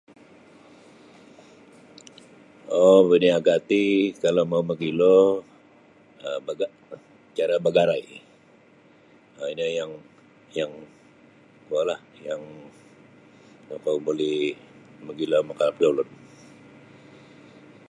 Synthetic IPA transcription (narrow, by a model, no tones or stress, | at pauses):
obəniaɡat̪ikalamawməɡilɔ | əbaɡaʔ | t͡ʃaɾabaɡaɾaj | əinəjaŋ | jaŋ | kualahjaŋ | akawbolɛhməɡilɔməkalap̚dawlɔn